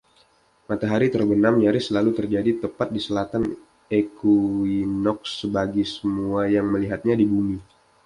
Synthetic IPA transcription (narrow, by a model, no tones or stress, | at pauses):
mat̪aɦaɾit̪ərbənamjaɾɪsəlalut̪ərd͡ʒadit̪əpat̪̚disəlat̪an | ekuinɔk̚səbaɡisəmuajaŋməliɦat̪̚ɲadibumi